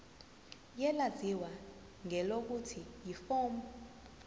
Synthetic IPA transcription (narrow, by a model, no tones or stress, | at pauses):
jɛlaziwa | ŋɛlok̬utʰijifɔːmbɔ